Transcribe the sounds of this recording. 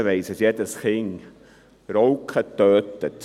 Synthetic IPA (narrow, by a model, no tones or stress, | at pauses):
vɛjsəsjɛtəsχɪŋ | rowkχətøːtət